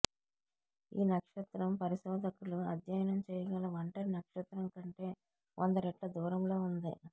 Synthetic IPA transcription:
ḭːnɐkʂɐt̪ɾɐmpɐɾisɔːd̪ɐkːuluɐ̰d̪jɐjɐnɐmt͡ʃɛjɐɡɐlɐʋɐɳʈɐɾinɐkʂɐt̪ɾɐmkɐɳʈe̞ː | ʔɔnd̪ɐɾɛʈlɐd̪uːɾɐmlo̞ːund̪i

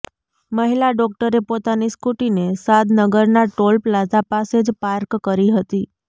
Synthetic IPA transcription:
məɦilaɖɔk̚ʈəɾepot̪aniskuʈinesad̪nəɡəɾnaʈolplad͡ʒapased͡ʒpaɾkkəɾiɦət̪i

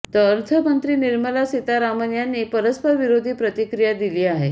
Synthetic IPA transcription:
t̪əːɾt̪ʰəmənt̪ɾiːniɾməlasit̪aɾamənjanːipəɾəspəɾʋiɾod̪ʱiːpɾət̪ikɾijad̪iliːaɦe

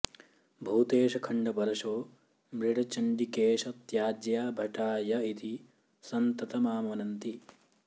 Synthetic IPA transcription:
bʱuːt̪eːʃɐkʰɐɳɖɐbɐɾɐʂoː | mɾiɽɐt͡ʃɐɳɖikeːʂɐt̪jaːd͡ʒ̪jaːbʱɐʈaːjɐit̪i | sɐnt̪ɐt̪ɐmaːmɐnɐnt̪i

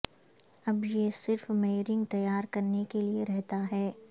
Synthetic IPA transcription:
ɐbjesɪɾfmeːɾɪ̃ŋɡ̚t̪ɐjːaːɾkɐɾnekelieɾɛɦt̪aɦɛː

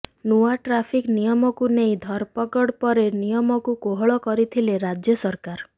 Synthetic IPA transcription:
nuaʈɾapʰiknijɔmɔkunej̃d̪ʱɔɾpɔkɔɽpɔɾenijɔmɔkukoɦɔɭɔkɔɾit̪ʰileɾad͡ʒjɔsɔɾkaɾ

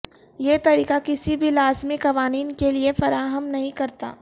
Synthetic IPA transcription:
jeːt̪ɐɾiːkakɪsibʱilaːzmɪkɐʋaːniːnkeliefɐɾaːɦəmnɐɦĩkɐɾt̪a̰ː

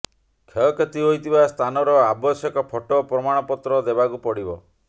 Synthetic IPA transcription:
kʰeɔket̪iɦojt̪ʰibast̪ʰanɔɾɔabɔsjɔkɔpʰɔʈɔpɾɔmaɽ̃ɔpɔt̪ɾɔd̪ebakupɔɽibɔ

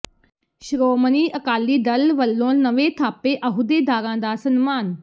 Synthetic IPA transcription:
ʃɾoːməniːʔəkaːlːiːd̪əlʋəlːõːnəʋeːt̪ʰaːpeːʔəɦʊd̪eːd̪ʱaːɾãːd̪aːsənmaːn

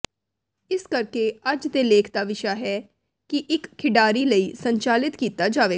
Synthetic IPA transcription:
ɪskəɾkeːəd͡ʒd̪eːleːkʰd̪aːʋɪʃaːɦɛː | kɪʔɪkʰːɪɖaːɾiːləiːsəɲt͡ʃaːlɪt̪kiːt̪aːd͡ʒaːʋeː

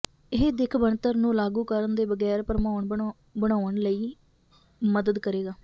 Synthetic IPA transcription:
ɪɦd̪ɪkʰbəɳt̪əɾnũːlaːɡuːkəɾənd̪eːbəɡɛːɾpəɾmaːɳ | bəɽaːɳləiː | məd̪əd̪kəɾeːɡaː

